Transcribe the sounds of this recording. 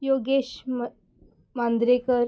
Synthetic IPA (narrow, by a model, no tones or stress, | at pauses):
joɡeɕm | mand̪ɾekəɾ